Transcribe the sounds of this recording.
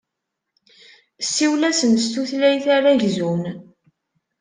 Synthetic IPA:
sːiwlæsənst̪uθlæjθaɾæʝzun

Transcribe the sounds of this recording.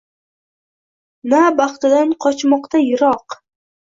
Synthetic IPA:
nabɑχt̪ɪd̪anqʰɒt͡ʃmɒqt̪ajɪɾɒq

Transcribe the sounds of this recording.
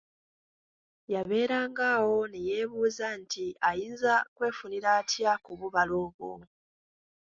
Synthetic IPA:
jaβe̞ːɾaːŋɡawo̞neje̞βuːzantiʔajiːnzakwe̞ːfuniɾaːtjakuβuβaloːβo̰

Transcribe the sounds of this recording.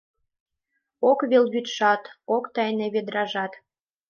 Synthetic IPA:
okβelβyt̪ʃɑt̪okt̪ɑjneβed̪ɾɑʒɑt̪

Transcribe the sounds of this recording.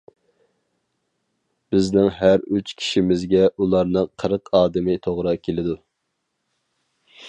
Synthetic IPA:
b̥ɪznɪŋɦæɾyt͡ʃkʲʰi̥ʃimɪzɡʲɛʔulˠɑɾnɨqʰəɾəqʰɑːd̪ɪmɪt̪ʰoʁɾɑkʲʰelɪd̪u

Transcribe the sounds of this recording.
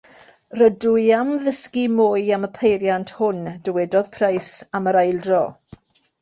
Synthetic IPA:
rədʊjamðəskimoːɨaməpʰejɾjantʰhʊnd̥əwɛdɔð̥pʰrajsaməɾajlˠdrɔ

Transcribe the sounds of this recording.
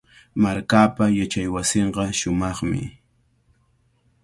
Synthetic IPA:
maɾkaːpajat͡ʃajwasɪɴɢɑʃʊmɑχmɪ̰

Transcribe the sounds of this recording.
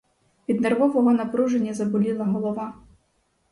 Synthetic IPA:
pʲid̪nɛrvɔvɔɣɔnɐpɾuʐɛnʲːɐzɐbulʲilˠɐɦɔlˠɔva

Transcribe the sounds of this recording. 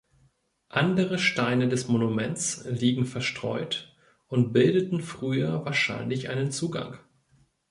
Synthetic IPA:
ʔandəʁ̞əʃtaɪnədɛsmonumɛntt͡sliːɡŋ̩fɛɐʃtʁ̥ɔ̰ʏt | ʊntb̥ɪldətn̩fʁ̥yːɐvaːɐʃa̰ɪnlɪçʔa̰ɪnənt͡suːɡa̰ŋ

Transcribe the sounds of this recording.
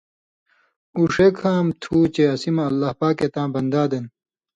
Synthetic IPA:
uʂekʰãːmt̪ʰuːt͡ɕeɐsimɐːlːɐhpaːket̪ãːbɐnd̪aːd̪ɐn

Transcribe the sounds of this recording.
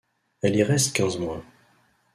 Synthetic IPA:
ɛliʁɛst̪kʲɛ̃zmwɛ̃

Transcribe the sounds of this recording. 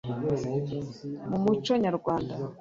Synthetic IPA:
mumut͡ʃoɲaɾuɡwaːnda

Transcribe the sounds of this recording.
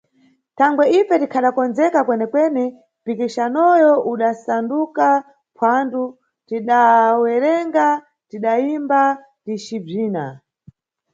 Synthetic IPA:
tʰaŋɡwɛipɛtikʰaɗakɔnd͡zɛkakwɛnɛkwɛnɛ | pikiʃanɔjɔʔuɗasanduka | pʰwandu | tiɗawɛɾɛŋɡa | tiɗaimba | tit͡ʃib͡ʐiːna̰

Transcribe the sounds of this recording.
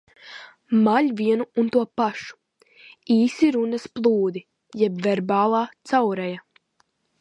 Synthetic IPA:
maʎʲvʲiɛnuːnt̪uɔpaʃu̥ | iːsiɾunɐsplˠuːd̪i | jɛbvɛɾbaːlˠaːt̪sawɾɛja

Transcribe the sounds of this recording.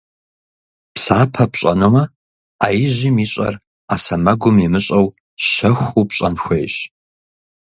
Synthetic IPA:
psaːpʰɐpɕʼɐnomɐ | aːjɪʑiːmiːɕʼɐ̰r | aːsɐmɐɡʷʊmimɨɕʼɐw | ɕɐxʷupɕʼɐnxʷejɕ

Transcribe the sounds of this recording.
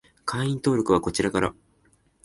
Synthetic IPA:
kʰãɰ̃ĩnt̪o̞ːɾo̞kɯ̟β̞ako̞t͡ɕiɾakaɾa̰

